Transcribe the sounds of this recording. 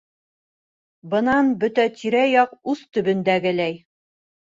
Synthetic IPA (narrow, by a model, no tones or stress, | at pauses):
bɤ̆nɑnbɵt̪æt̪ʰiɾæjɒqʉzt̪ɵ̆bɵ̆nd̪æɡɘlæj